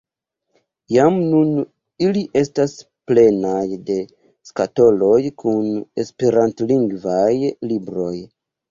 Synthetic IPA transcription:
jamnun | iliʔe̞stas | ple̞najde̞ | skato̞lo̞jkʰune̞speɾantliŋɡvajlibɾo̞j

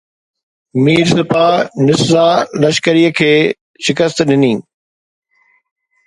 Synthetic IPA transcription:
miːɾsɪpaːnɪszaːlɐʃkəɾijəkʰeː | ʃɪkəst̪ɗɪnĩː

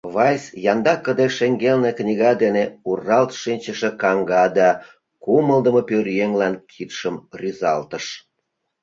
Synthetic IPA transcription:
βɑjsjɑnd̪ɑkːəd̪eʃeŋɡelneknʲiɣɑd̪eneurːɑlt̪ʃinʲt͡ɕə̆ʃĕkɑŋɡɑd̪ɑ | kuməld̪əmopørjeŋlɑnkʰit̪ʃəmryzɑlt̪əʃ

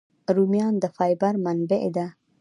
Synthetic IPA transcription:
ɾumjɑːnd̪əfɑjbaɾmanbeʔed̪a

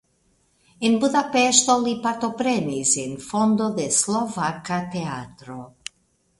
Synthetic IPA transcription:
inbud̪apɛʃt̪olipat̪opɾɛnisinfond̪oðeslovakːat̪eat̪ɾo

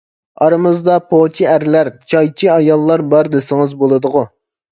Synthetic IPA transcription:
ɑɾɨmɨzd̪ɑpʰot͡ʃʰiæɾlæɾt͡ʃʰɑjt͡ʃʰiɑjɑlˠːɑɾbɑɾd̪ɪsɪŋɨzbolˠɨd̪ʊʁʊ

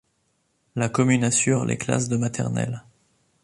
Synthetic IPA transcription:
lakɔmynasyʁlʔḛkla̰sd̪əmat̪ʰɛ̰ʁnɛ̰l

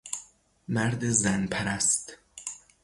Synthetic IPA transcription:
mæɾd̪ezænpʰæɾæst̪

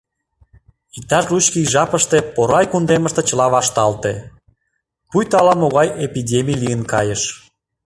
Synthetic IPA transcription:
ik̚t̪ɑʃlut͡ɕkiʒɑpə̆ʃt̪epoɾɑjkund̪eməʃt̪ĕt͡ɕəlɑβɑʃt̪ɑlt̪e | pujt̪ɑlɑmoɣɑjepidʲemʲijlijənkɑjəʃ

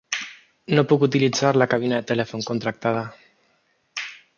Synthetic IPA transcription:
nopukut̪ilid͡zaɾlakaβ̞inaðet̪elefoŋkont̪ɾak̚t̪að̞a

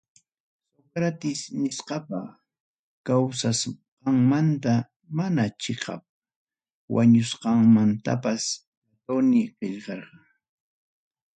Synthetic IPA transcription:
soɡɾat̪ɪsnɪsqɑpa | kawsasqɑŋmant̪a | manat͡ʃɪqɑ̰p̚ | wʔa̰ɲʊsqɑŋmant̪a̰pas | at̪onɪqeʎqɑɾqɑ

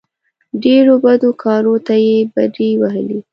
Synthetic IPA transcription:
ɖeɽobad̪okʰɑɾot̪ajebad̪iwaɦə̰li

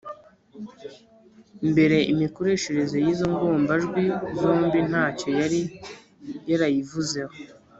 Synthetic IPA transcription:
mbe̞ɾe̞ʔimiko̞ɾe̞ʃe̞ɾe̞ze̞jiːzo̞ŋɡo̞ːmbaʒɡwizo̞ːmbin̥haːco̞jaɾi | jaɾajivuze̞ho

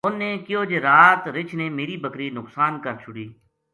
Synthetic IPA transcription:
ʊnːeːkɪjoːd͡ʒeːɾaːt̪ɾɪt͡ʃʰneːmeːɾiːbəkɾiːnʊksaːnkəɾt͡ʃʰʊɽiː

